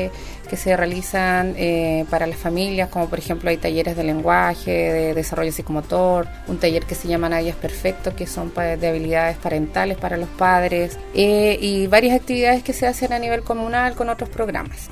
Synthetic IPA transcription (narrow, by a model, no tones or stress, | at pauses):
ke̞serealisanepaɾalasfamiljasko̞mopoɾexe̞mploajt̪aʝe̞ɾezð̞e̞le̞ŋɡwaçeðeðesaro̞ʝosikomot̪oɾ | unt̪aʝe̞ɾkese̞ʝamanaðjaspe̞ɾfek̚t̪oskeso̞mpad̪eaβ̞iliðaðespaɾe̞nt̪alespaɾalo̞spaðɾes | eʔiβaɾjasak̚t̪iβiðaðe̞skeseasenaniβe̞lko̞munalko̞no̞t̪ɾospɾo̞ɣɾa̰mas